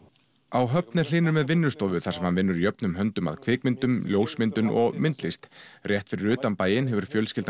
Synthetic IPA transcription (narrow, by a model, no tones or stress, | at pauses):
awɦœpnɛɾ̥l̥ɪːnʏɾmɛðvɪnːʏst̪ɔwvʏθaɾ̥sɛmhanvɪnːʏɾjœpnʏmɦœnt̪ʏma̰ðkʰvɪːkmɪnt̪ʏmljoːwsmɪnt̪ʏnʔɔ̰ɣmɪnt̪lɪst̪rjɛht̪fɪɾɪɾʏːt̪ampaːjɪnɦɛvʏɾ̥fjœːlscɪl